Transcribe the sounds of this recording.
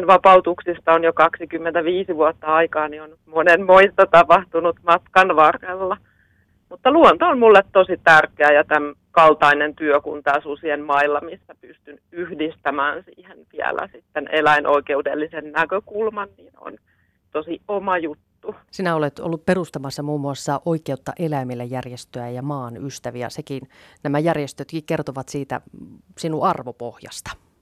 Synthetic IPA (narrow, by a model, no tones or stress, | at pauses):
nʋɑpɑut̪uksist̪ɑonjokɑksikymːent̪æʋiːsiʋuot̪ːɑɑikɑːnionnyt̪monenmoist̪ɑt̪ɑpɑht̪unut̪mɑt̪kɑnʋɑrːelːɑ | mut̪ːɑluɔnt̪oonmulːet̪t̪osit̪ærkeæjɑt̪æm | kɑlt̪ɑinent̪yøkṵnt̪æːsusienmɑilːɑmisːæpyst̪ynyhdist̪æmæːnsḭːhentiæ̰læ̰sit̪ːenʔelæinʔoikeudelːisennækøkulmɑnniːno̰n | t̪osiomɑjut̪ːusinæolet̪o̰lːupperust̪ɑmɑsːɑmuːmːuɑsːɑʔoikeut̪ːɑʔelæimilːæjjærjest̪øæjɑmɑːnyst̪æʋiæ̰sekiːnnæmæjærjest̪øt̪kikkert̪oʋɑt̪siːt̪æ̰sinuɑrʋopohjɑ̰st̪ɑ̥